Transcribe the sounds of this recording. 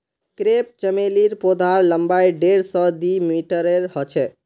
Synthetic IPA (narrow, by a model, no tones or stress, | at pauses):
kɾep̚t͡ʃəmeliɾpod̪ʱaɾləmbajɖeɽsɔd̪imiʈəɾeɾhɔt͡ʃʰɛ